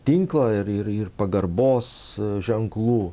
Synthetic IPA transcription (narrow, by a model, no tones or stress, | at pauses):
t̪ʲɪŋklˠɐɪɾɪɾɪrpɐɡɐɾboːsʒʲɛŋklˠuː